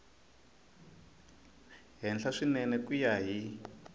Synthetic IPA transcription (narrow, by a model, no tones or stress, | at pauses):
ɦɛnd͡ɮʰaʂinɛnɛkijaɦi